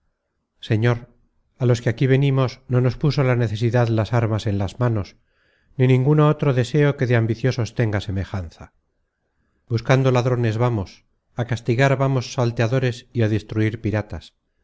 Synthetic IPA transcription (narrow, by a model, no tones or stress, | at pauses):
se̞ɲo̞ɾ | alo̞skeakiβ̞e̞nimo̞sno̞no̞spusolane̞θe̞siðaðlasaɾmase̞nlazmano̞s | ninĩŋɡunao̞t̪ɾo̞ðe̞se̞oke̞ðeambiθjo̞so̞st̪e̞ŋɡase̞me̞xanθa | buskand̪o̞laðɾo̞ne̞zβamo̞s | akast̪iɣaɾβamo̞sːalt̪eaðo̞ɾe̞siaðest̪ɾuiɾpiɾat̪as